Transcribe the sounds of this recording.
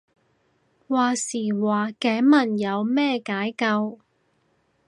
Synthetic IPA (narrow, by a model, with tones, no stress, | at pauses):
waː˨siː˨˩waː˨kɛː˨˥mɐ˨˩njɐ˨˧wmɛː˥kaː˨˥jkɐ˧w